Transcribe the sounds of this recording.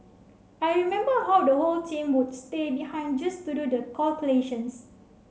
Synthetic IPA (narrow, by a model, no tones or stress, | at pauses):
ajɹimɛ̃mbəhawdəholtĩmwud̚stebihãɪ̃nd͡ʒastududəkʰalkuleʃə̃ns